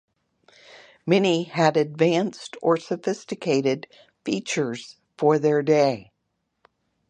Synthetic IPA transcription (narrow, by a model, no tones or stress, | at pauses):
mɛniɨɾɨdvæ̃nstʰə˞sɨfɪstɨkʰeɪɾɪd | fit͡ʃə˞z̥ | fə˞ðə˞deɪ